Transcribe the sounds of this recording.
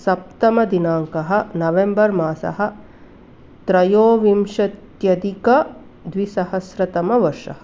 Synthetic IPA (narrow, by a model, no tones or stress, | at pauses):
sɐp̚t̪ɐmɐd̪inaːŋkɐɦɐ̆nɐʋembɐɾmaːsɐ̰ɦɐ̆ | t̪ɾɐjoːʋimʂɐt̪jɐd̪ikɐ | d̪ʋisɐɦɐsɾɐt̪ɐmɐʋɐɾʂɐ̰ɦɐ